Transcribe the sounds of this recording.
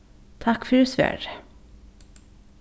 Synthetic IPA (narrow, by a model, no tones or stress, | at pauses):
t̪ʰakːfœɾsvæ̰ːɾ